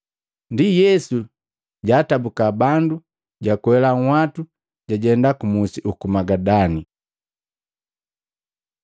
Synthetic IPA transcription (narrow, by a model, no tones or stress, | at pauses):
ndijɛsu | ɟaːtabukabandu | ɟakwɛlaŋwatu | ɟaɟɛndakumusiukumaɡadani